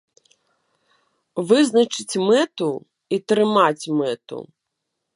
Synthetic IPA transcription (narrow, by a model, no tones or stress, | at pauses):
vɨznɐt͡ʂɨt͡sʲmɛt̪u | it̪ɾɪmat͡sʲmɛt̪ṵ